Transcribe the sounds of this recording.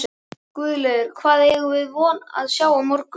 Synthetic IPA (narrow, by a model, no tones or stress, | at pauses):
kvʏːðlɛðkʰvaːðɛɣʏvɪðvɔːna̰ðsjaːwamɔɾk